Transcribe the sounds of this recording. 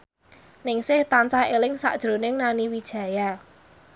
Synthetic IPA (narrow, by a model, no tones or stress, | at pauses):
nɪŋsɪht̪ant͡ʃaelɪŋsa̰ʔd̥ʒ̥ɾo̤nɪŋnaniwid̥ʒ̥ä̤ja